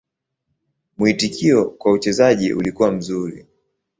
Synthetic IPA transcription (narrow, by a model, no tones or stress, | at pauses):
muitikʰiɔkwaut͡ʃɛzaʄḭʔṵlikuwam̩zuɾḭ